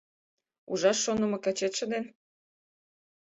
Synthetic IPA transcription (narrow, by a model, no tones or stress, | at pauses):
uʒɑʃːonə̆mɤ̆kæt͡ɕet̪ʃə̆d̪en